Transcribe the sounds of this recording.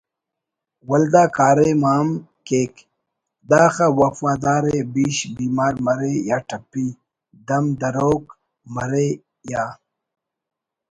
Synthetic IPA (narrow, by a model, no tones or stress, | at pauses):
wɐld̪aːkaːɾemaːm | keːk | d̪aːxawɐfaːd̪aːɾebiːɕbiːmaːɾmɐɾejaːʈʰɐpːi | d̪ɐmd̪ɐɾoːk | mɐɾe | jaː